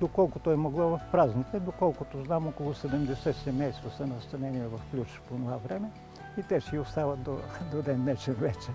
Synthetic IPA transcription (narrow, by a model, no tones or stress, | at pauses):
d̪okɔlˠkʊt̪oɛmoɡlˠɔvɐfpɾaznit̪ɛd̪okɔlˠkʊt̪oznamokolˠʊsɛd̪ɛmd̪ɛsɛt̪sɛmɛjst̪vɐsɐnɐst̪ɐnɛniɛvɐfklʲut͡ʃponovavɾɛmɛ | it̪ɛʃɛiost̪avɐt̪̚d̪od̪od̪ɛnːɛt͡ʃɛnvɛt͡ʃɛ